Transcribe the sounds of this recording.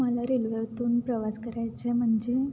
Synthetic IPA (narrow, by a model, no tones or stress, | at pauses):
məlaɾilʋeʋt̪uːnpɾəʋaskəɾajt͡ɕem̤əɳd͡ʑe